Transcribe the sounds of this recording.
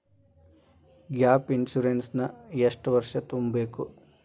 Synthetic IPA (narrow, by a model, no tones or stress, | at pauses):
ɡjaːpinʃuɾensnɐeʂʈʋɐɾʂɐt̪umbeːku